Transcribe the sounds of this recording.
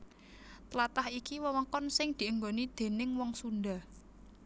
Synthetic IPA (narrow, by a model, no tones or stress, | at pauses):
t̪əlat̪ahikiwəwəkɔnsɪŋd̪̥i̤ʔəŋɡonid̪̥e̤nɪŋwɔŋsunɖ̪a